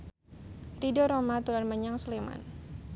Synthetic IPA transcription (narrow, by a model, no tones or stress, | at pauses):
t̪idɔɾomat̪uɾanməɲaŋslema̰n